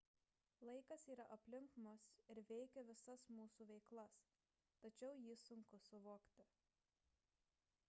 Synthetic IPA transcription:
lˠɐɪkɐsiːɾɐʔɐpʲlʲɪŋkmʊsɪɾʋʲɛɪkʲɛʋʲɪsɐsmuːsuːʋʲɛɪklˠɐs | t̪ɐt͡ʃʲɛʊjiːsʊŋkʊsʊʋoːkt̪ʲɪ

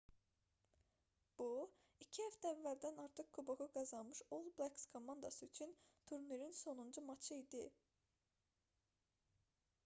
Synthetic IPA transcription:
b̥u | icʰihæft̪ʰæævːæld̪ænɑɾt̪ʰɯχkʰubuʁuɡɑzɑnmɯʃolˠblakskʰo̞mɑnd̪ɑsɯyt͡ʃʰynt̪ʰuɾniɾinso̞nund͡ʒumɑt͡ʃʰɯid̪i

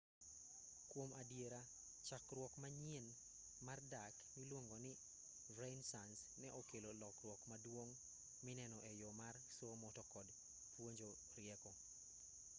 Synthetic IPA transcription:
kwomadjeɾa | t͡ʃakɾwɔkmaɲen | mardaknɪlwoŋɡonɪ | vɾensansnɛʔokelolɔkrwɔkmadwoŋ | mɪnɛnɔʔɛjomarsomɔtɔkɔd | pwoɲd͡ʒo | ɾɪɛkɔ

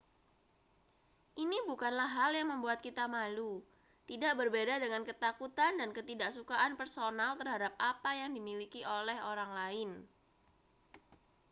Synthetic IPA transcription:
ʔinibukanlaɦɦaljaŋməmbuat̪̚kit̪amalu | t̪idaʔbərbedadəŋankət̪akut̪andankət̪idaʔsukaʔanpərsonalt̪ərɦadap̚ʔapajaŋdimilikiʔolɛɦoɾaŋlaɪn

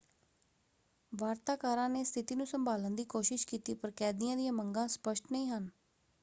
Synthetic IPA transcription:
ʋaːɾt̪aːkaːɾãːneːst̪ʰɪt̪iːnũːsəmbaːlənd̪iːkoːʃɪʃkiːt̪iːpəɾkɛːd̪ɪjãːd̪ɪjãːməŋɡãːspəʃʈnəĩːɦən

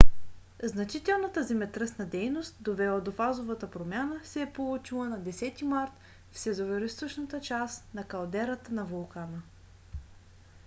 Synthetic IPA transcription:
znɐt͡ʃit̪ɛlˠnət̪əzɛmɛt̪ɾɤsnəd̪ɛjnost̪̚d̪ovɛlˠəd̪ofazovət̪əpɾomʲjanəsɛːpolˠut͡ʃilˠənɐd̪ɛsɛt̪imaɾt̪ | fsɛzoɾʲɐɾist̪voʃnət̪ət͡ʃasnɐkɐlˠd̪ɛɾət̪ənɐvolˠkanə

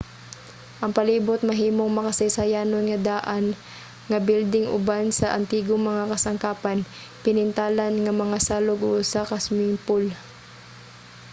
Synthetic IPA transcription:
ʔɐŋpɐliːbʊt̪̚mɐɦiːmoŋmɐkɐsɐjsɐjaːnonŋɐd̪aːʔan | ŋɐbild̪ɪŋʔʊ̰bansɐʔɐ̰nt̪iːɡoŋmɐŋakɐsɐŋkaːpan | pɪnɪnt̪aːlanŋɐmɐŋasaːloɡʔosakɐsmɪŋpol

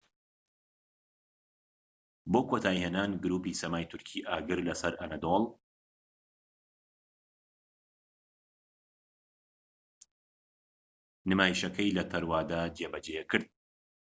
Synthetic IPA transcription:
boːkʰoːt̪ʰaːjheːnaːnɡɨɾuːpiːsɐmaːjt̪ʰʊɾkʰiːʔaːɡɨɾlɐsɐɾʔɐnɐd̪olˠ | nɨmaːjiʃɐkʰɐjlɐt̪ʰɐɾwaːd̪aːd͡ʒebɐd͡ʒeːjɛkʰɨɾd̪̚

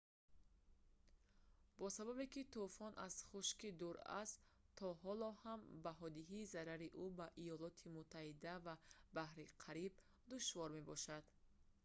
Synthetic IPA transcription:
bɔsababekit̪ufɔnʔaz̥χuʃkid̪uɾa̰st̪ | t̪ʰːɔɦɔlɔhambaɦɔd̪iɦiːzaɾaɾiʔubaʔijɔlɔt̪ʰimut̪ʰːahid̪avabahɾiqʰaɾib̚ | d̪uʃvɔɾme̞bɔʃad̪̥

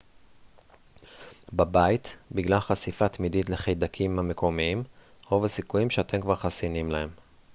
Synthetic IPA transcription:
babajit̪biɡlalχasifat̪mid̪itle̞χejd̪akʰimhame̞ko̞miim | ovesikujimʃeat̪ʰe̞mkvaʁχasinimlahe̞m

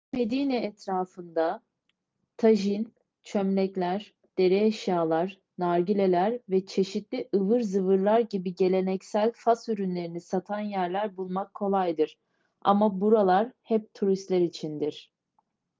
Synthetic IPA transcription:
me̞d̪iːnɛːt̪ɾaːfɯnd̪a | t̪ʰaʒin | t͡ʃʰømlʲɛclʲæɾ̥ | d̪̥e̞ɾɛeʃjaːlˠaɾ | naɾɟilʲe̞lʲæɾvɛt͡ʃʰe̞ʃit̪lʲiʔɯvɯɾzɯvɯɾlˠaɾɟibiɟe̞lʲe̞nɛcsælʲfasyɾynlʲe̞ɾinisat̪ʰanjæɾlʲæɾbulˠmakʰːo̞lˠajd̪ɯɾ̥ | a̰mabuɾalˠaɾhɛp̚t̪ʰuɾist̪lʲɛɾit͡ʃʰind̪iɾ̥

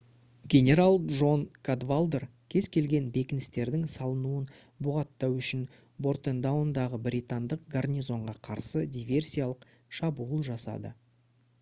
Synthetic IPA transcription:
ɡʲe̞nʲe̞ɾalˠʒo̞nkʰad̪valˠd̪er | kʲʰe̞zkʲʰe̞lɡʲe̞nbe̞kʲɪnɪst̪e̞ɾd̪ɪŋsɑlˠənuən | bʊʁɑt̪ːɑwʏʃɪn | bo̞rt̪end̪awnd̪ɑʁəbɾʲit̪and̪əq̚ɡarnʲijzo̞ɴʁɑqʰɑɾsəd̪ʲivʲe̞rsʲijalˠəq | ʃɑbuəlˠʒɑsɑ̰d̪ə̰

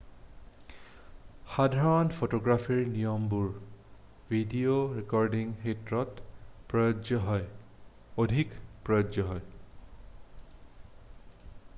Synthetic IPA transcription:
xadʱaɹɔnpʰotoɡɹafʰiɹnijɔmbuɹ | vʱidioɹikɔɹdiŋxetɹɔtpɹɔjod͡ʒɔɦɔj | odʱikpɹɔjɔzɔɦɔj

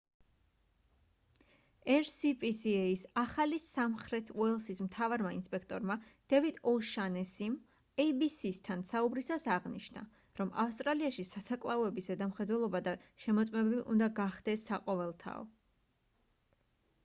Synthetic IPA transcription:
ɛɾsipʼisiɛisaχalisamχɾɛt̪ʰuɛlˠsismt̪ʰavaɾmainspʼɛkʰt̪ʼɔɾmad̪̥ɛvit̪ʰʼɔʃanɛsim | ɛibisist̪ʰansaubɾisasaʁniʃna̰ | ɾɔma̰fst̪ʼɾaliaʃisasakʼlˠaɔɛbisɛd̪amχɛd̪wɛlˠɔbad̪aʃɛmɔt̪sʼmɛbɛbiʔund̪aɡaχd̪ɛsːaqʼɔvɛlˠt̪ʰa̰ɔ̰

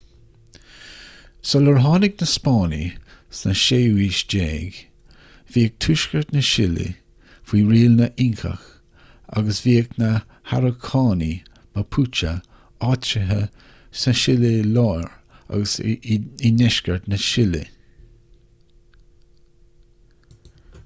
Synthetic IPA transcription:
sɔləɹɦɑːnɪɡnəspɑːnḭsnəʃeːwiːʃd͡ʒeːɡ | viːək̚tʰuːʃkəɹt̪nəʃɪlɪ̰ | fiːɹiːlnəʔɪŋkʰə̰x | a̰ɡəsviːəknə | haɾəkʰɑːni | məpʰut͡ʃə̰ | ɑːt͡ʃəɦə | səʃɪlɪlɑːɹa̰ɡəsinɛʃkəɹt̪nəʃɪlɪ̰

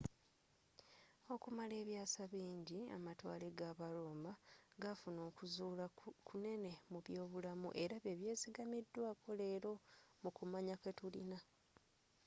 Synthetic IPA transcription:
o̞kumale̞ːβjaːsaβiːɲɟia̰matwa̰ːleɡaβalo̞ːmaɡafuno̞ːkuzuːlakʰune̞ne̞muβjo̞ːβulamṵʔe̞ɾaβeβje̞ːsiɡamidːwakʰo̞le̞ːɾo̞mukumaɲake̞tulḭna

